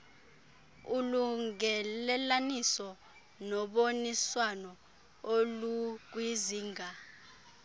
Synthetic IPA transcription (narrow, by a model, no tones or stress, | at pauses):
uluŋɛlɛlanisɔ | nɔɓoniswanɔ | oluk̬wiziːŋʱa